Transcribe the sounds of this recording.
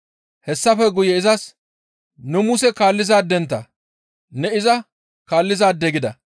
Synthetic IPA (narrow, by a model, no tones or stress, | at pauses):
hɛsːɐfɛɡʊjɛɪzɐs | nʊmʊsɛkaːlːɪzaːd̪ɛnt̪ːɐ | nɛɪzɐ | kaːlːɪzaːd̪ɛɡɪd̪ɐ